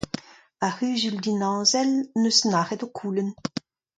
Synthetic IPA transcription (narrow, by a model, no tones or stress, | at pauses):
aʁyːʒyld̪inɑ̃ːzɛlnəsnaʁɛd̪okʰulən